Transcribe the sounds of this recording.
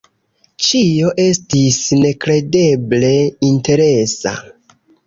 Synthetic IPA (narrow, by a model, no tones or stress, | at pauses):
t͡ʃio̞ʔe̞stisne̞kɾe̞de̞ble̞inte̞ɾe̞sa̰